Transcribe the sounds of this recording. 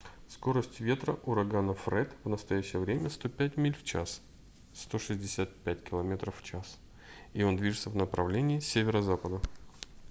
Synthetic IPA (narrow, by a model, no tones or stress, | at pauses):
sko̞ɾəsʲtʲvʲe̞t̪ɾəʔʊɾɐɡanəfrɛt̪vnəst̪ɐjæɕːɪjəvɾʲemʲəst̪o̞pʲætʲmʲilʲft͡ɕa̰s | st̪o̞ʂɨzʲdʲɪsʲat̪̚pʲæt̚ʲkʲɪlˠɐmʲe̞t̪ɾəfːt͡ɕas | io̞nd̪vʲiʐɨt̪səvnəpɾɐvlʲenʲɪːsʲevʲɪɾəzapəd̪ə